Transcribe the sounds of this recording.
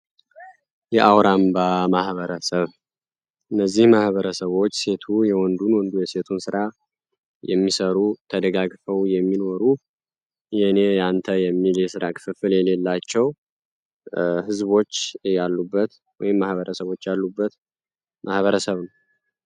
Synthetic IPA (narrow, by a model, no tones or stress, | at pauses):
jɛʔawɾambamahβəɾəsəβ | ʔɨnːəzːihmahβəɾəsəβo̞t͡ʃːse̞t̪ʰujɛwɔnd̪unwɔnd̪ujɛse̞t̪ʰunsɨɾa | jɛ̰mːisəɾut̪ʰəd̪əɡaɡfəwjɛmːinoɾu | ɛhnejant̪ʰəjɛmːiljɛsɨɾakʰɨ̥fɨfɨljɛle̞lːat͡ʃːɛw | hɨzβo̞t͡ʃːjalːubːət̪ | wɔ̰jɪmːahβəɾəsəβo̞t͡ʃːjalːubːət̪ | mʔahβəɾəsəβnəw